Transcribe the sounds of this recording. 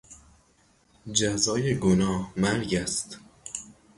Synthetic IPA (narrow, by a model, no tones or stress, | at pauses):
d͡ʒæzɒːjeɡonɒːhmæɾɟæst̪